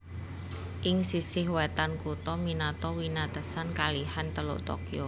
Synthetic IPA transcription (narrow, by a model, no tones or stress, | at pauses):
ʔɪŋsisɪhwɛt̪ankut̪ɔminat̪ɔwinat̪əsankalihant̪əlʊ̰ʔt̪ɔ̰kio